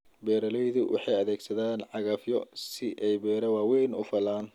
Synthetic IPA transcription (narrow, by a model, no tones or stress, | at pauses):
bɛːɾɐlɛjðʊwʔɑ̰ħɑjɐðɛːɡsɐðaːnʕɑɣɐfjɔsɪʔɛjbɛːɾɐwɑːwɛjnʊfɐlaːn